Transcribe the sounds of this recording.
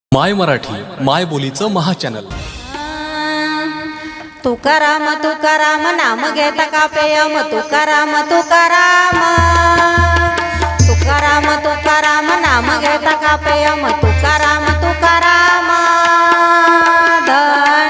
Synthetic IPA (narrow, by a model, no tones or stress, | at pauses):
majməɾaʈʰḭːmajbolit͡səməɦat͡ɕɛnə̰l | t̪ukaɾamət̪ukaɾamənaməɡʱɛt̪akapejamət̪ukaɾamət̪ukaɾamə | t̪ukaɾamət̪ukaɾamənaməɡʱet̪akapejəmət̪ukaɾamət̪ukaɾamə | d̪ʱə